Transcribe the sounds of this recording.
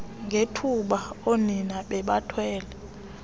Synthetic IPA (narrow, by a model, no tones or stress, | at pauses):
ŋʱetʰuɓaoninaɓɛɓatʰwɛːlɛ